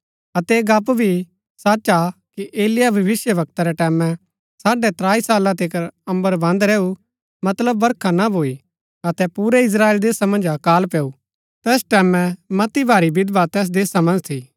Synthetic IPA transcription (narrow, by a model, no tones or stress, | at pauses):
ɐt̪ɛɡapbʱi | saːt͡ʃakiʔeːlɪjabʱɐʋɪsjəʋɐk̚t̪aɾɛʈɛːmɛ̃ | saːɖɛt̪ɾaːisaːlãt̪ekəɾɐ̃mbəɾbɐ̃nd̪ɾɛːu | mɐt̪ləbːɐɾkʰanabʱoːi | ɐt̪ɛpuːɾɛɪs̬ɾaːeːld̪eːsamɐ̃nd͡ʒakaːlpɛːu | t̪ɛːsʈɛːmɛ̃mɐt̪ibʱaːɾibɪd̪bat̪ɛːs̬d̪eːsamɐ̃nd͡ʒt̪ʰiː